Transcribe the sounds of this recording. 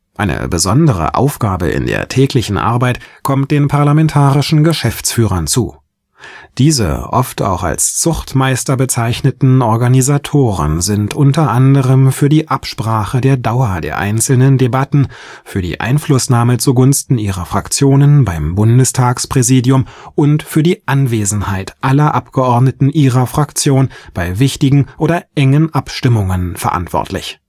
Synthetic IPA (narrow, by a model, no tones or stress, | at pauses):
ʔaɪnə̰bəzɔndəʁə̰ʔa̰ʊfɡ̥aːbə̰ɪ̰ndḛːɐtʰɛːklɪçn̩ʔa̰ɐbaɪtkʰɔmt̚d̥eːnpʰaɐlamɛntʰaːʁɪʃn̩ɡəʃɛft͡sfyːʁɐnt͡suː | d̥iːzə̰ʔɔftʰa̰ʊxa̰lst͡sʊxtmaɪstɐbət͡saɪçnətn̩ɔɐɡanizatʰoːʁə̰nzɪntʔʊntɐʔandəʁəmfyːɐdiːʔapʃpʁ̥aːχədeːɐdaʊɐdḛːɐʔa̰ɪnt͡sl̩nəndebatn̩ | fyːɐdḭːʔa̰ɪnflʊsnaːmət͡suɡʊnstn̩iːʁɐfʁ̥a̰kt͡sjoːnənbaɪmbʊndəstʰaːkspʁ̥ɛziːdjʊmʔʊntfyːɐdiːʔanveːzn̩haɪtʔalɐʔapɡ̥əʔɔɐdnətn̩ʔiːʁɐfʁ̥akt͡sjoːnb̥aɪvɪçtɪɡŋ̩ʔoːdɐʔɛŋənʔapʃtɪmʊŋənfɛɐ̰ʔa̰ntv̥ɔ̰ɐtʰlɪ̰ç